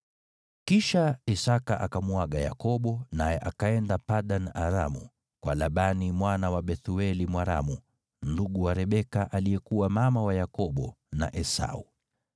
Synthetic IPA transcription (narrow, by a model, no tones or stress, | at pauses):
kiʃaisakaʔakamuaɠaja̰kɔɓɔnajɛʔakaɛndapaɗanaɾa̰mu | kwalaɓanimwanawaɓɛθuɛlimwaɾa̰mu | nduɠuwaɾɛɓɛkaʔaliɛkuwamamawajakɔɓɔ | na̰ʔɛsa̰ṵ